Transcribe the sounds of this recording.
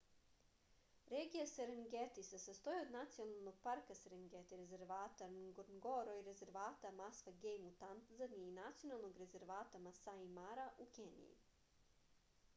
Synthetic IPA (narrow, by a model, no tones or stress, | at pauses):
ɾeːɡijaseɾeŋɡet̪isesast̪o̞iod̪nat̪sijonalˠno̞ɡ̥̚paɾkaseɾeŋɡet̪iɾezeɾʋaːt̪anɡoɾnɡoɾoiɾeze̞ɾʋaːt̪amasfaɡejmut̪ant̪zaniːnat̪sijo̞nalˠno̞ɡɾe̞ze̞ɾʋaːt̪amasaimaɾaʔukenḭjḭ